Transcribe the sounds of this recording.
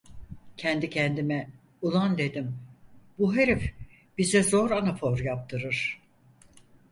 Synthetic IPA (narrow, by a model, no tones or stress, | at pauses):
cʰɛnd̪icʰɛnd̪imɛ | ulˠand̪e̞d̪imbuɦeɾɛf | b̥izɛzo̞ɾanafoɾjap̚t̪ʰɯɾɯɾ̥